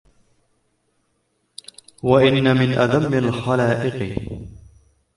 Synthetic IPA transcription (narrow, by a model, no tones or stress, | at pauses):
waʔɪnːamɪnʔaðamːɪlxalaːʔɪqɨ